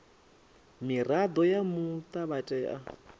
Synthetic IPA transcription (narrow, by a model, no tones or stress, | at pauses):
mirad̪ɔjamut̪ʼaβatʼɛːʔa